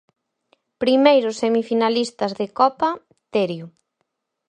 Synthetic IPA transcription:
pɾimejɾʊsemifinalist̪ɐzðekɔpɐ | t̪eɾjʊ

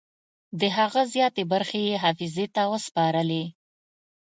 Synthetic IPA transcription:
d̪əɦaɣazjɑt̪ebaɾxejeɦafizet̪awəspɑɾəle

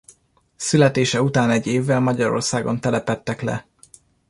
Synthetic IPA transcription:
sylɛt̪eːʃɛut̪aːnɛɟːeːvːɛlmɒɟɒɾo̞̰rsaːɡo̞nt̪ɛlɛpɛt̪ːɛklɛ̰

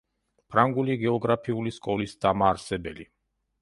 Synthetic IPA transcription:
pʰɾaŋɡuliɡɛɔɡɾapʰiuliskʼɔlisd̪amaːɾsɛbɛli

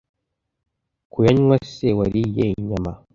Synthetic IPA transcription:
kujaɲwasewaɾijeɲama

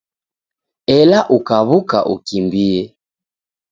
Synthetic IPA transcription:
ɛlaʔukaβukaʔṵkimbiɛ

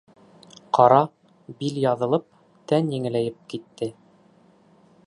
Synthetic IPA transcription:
qɑɾɑ | biljɑðɤ̆lˠɤp̚ | t̪ænjɘ̆ŋɘ̆læjɘp̚kit̪ːɘ

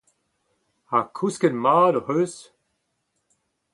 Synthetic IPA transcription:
akʰuskənmaːdɔhøːs

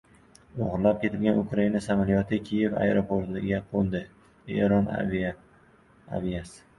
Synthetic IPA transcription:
oʁɾlap̚kʲʰe̞t̪ʰɪlɡʲanʊkɾainasamalijɒt̪ʰɪkʲʰije̞va̰jɾopʰoɾt̪ɪɡʲaqʰolˠd̪ɪ | ḛɾɒn | a̰vijasɪ̥

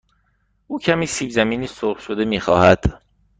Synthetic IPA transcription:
ʔuːcʰæmiːsiːbzæmiːniːsoχʃod̪e̞miːxɒːhæd̪̥

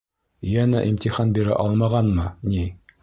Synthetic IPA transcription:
jænæʔimt̪ʲiχɑnbiɾæ̰ʔɑlˠmɑʁɑnmɤni

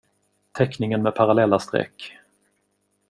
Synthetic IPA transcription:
t̪ʰɛknɪŋənmɛpʰaɾalɛlːast̪ɾɛ̰kː

